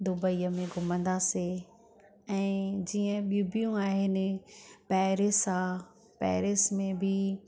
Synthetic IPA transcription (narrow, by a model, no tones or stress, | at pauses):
d̪ʊbəiːəmẽɡʱʊmə̃nd̪ase | ɛ̃ːd͡ʑiːə̃ɓiubijũaːɦɪnɪ̆pɛːɾesa | pɛ̰ːɾɪsmẽbʱɪ